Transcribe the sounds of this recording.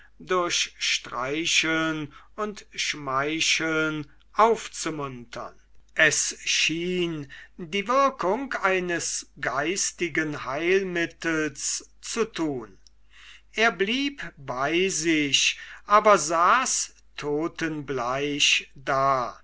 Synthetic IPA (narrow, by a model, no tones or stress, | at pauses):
dʊɐɕʃtʁaɪʃl̩n | ʊntʃmaɪʃl̩n | ʔaʊft͡sumʊntʰɐ̰n | ʔɛsʃiːndiːvɪɐkʊŋkaɪnəsɡaɪstɪɡənhaɪlmɪtəls | t͡sutʰuːn | ʔeːɐbliːpbaɪzɪɕʔaːbɐzaːs | tʰoːtənblaɪʃdaː